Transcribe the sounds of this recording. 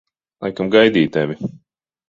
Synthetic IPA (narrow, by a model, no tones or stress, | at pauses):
lˠajkamɡajd̪iːt̪̚ːɛvʲi